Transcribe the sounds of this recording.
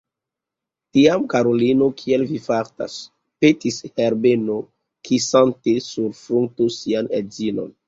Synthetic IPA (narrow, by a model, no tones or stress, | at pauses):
tiamkaɾolino̞kʰielvifaɾta̰s | petisheɾbeno | kʰisantesuɾfɾuŋtusianezino̞̰n